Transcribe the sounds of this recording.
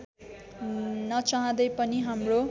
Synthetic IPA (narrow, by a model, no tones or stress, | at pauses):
nʌt͡saɦʌ̃d̪ʌjpʌniɦamro